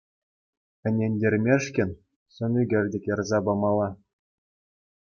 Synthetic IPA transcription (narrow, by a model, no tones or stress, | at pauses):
ɘ̆nʲenʲdʲerʲmʲeʂkʲɘ̆nʲ | sɤ̆nʲyɡʲɘ̆rʲdʲĕkʲɤ̆rzɑbɑmɑlˠːɑ